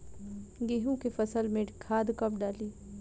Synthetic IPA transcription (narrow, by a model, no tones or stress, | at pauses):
ɡeːɦũkefɐsəlmẽʈkʰaːd̪kɐp̚ɖaːliː